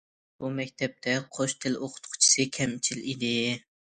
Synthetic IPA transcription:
b̥umɛkʲt̪ʰɛp̚t̪ʰɛqʰoʃt̪ʰɪloqʰʊ̥t̪qʰʊ̥t͡ʃʰi̥sɨkʲʰɛmt͡ʃʰilid̪ɪ

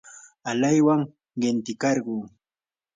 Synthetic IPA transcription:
alajwaŋ | ɢɪnt̪ɪkɑɾɢuː

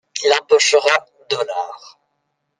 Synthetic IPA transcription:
ilɑ̃pɔʃəʁa | d̪ɔlaːʁ

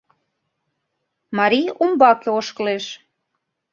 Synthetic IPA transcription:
mɑɾiumbɑkeoʃkəleʃ

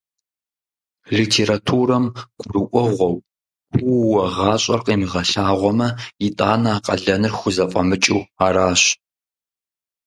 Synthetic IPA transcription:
ɮitʰeːɾatʰuːrɐmɡ̥ʷʊrɨʔʷɔʁʷɔw | ɡuwɐʁɑːɕʼɐrqeːmiʁɐɬaːʁʷɔmɐjɪtʼaːnaaːqʼɐɮɐnɨrxʷʊzɐfʼɐmɨt͡ʃʼiwaːɾaːɕ

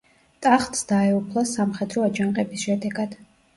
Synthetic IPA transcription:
t̪ʼaχt̪ʼsd̪̥aɛupʰlˠasamχɛd̪ɾɔad͡ʒaŋqʼɛbisʃɛd̪ɛɡad̪̥

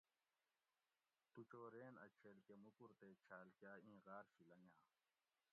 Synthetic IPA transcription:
t̪ut͡ɕoːɾeːnɐ̰t͡ɕʰeːlkemukuɾt̪eːt͡ɕʰaːlkjaːĩːɣaːɾfilɐŋãː

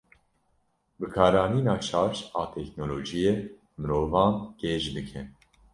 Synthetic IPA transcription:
bɨkʰɑːɾɑːniːnɑːt͡ʃʰɑːɾʃɑːt̪ʰɛknoloːʒije | mɨɾoːvɑːnɡ̥ɛʒb̪ɨkʰɛn

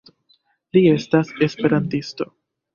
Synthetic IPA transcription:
lie̞stase̞spe̞ɾantisto̞

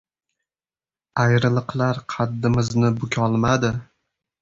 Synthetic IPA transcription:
ajɾɪlˠɨqlaɾqʰɑd̪ːɪmɪznɪbʊkʲʰɒlˠmad̪ɪ

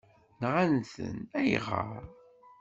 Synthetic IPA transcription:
nʁanθə̰næjʁə̰ɾ

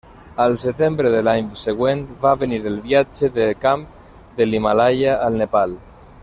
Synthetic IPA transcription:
əlˠsət̪embɾəðəlaɲseɣwenβaβəniɾəlˠβiad͡ʒəðəkamp | d̪əlimalajaʔːlˠnəpal

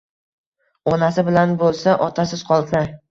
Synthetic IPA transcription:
ɒnasɪbɪlanbolˠsaʔɒt̪ʰasɪz̥qʰɒlˠsa

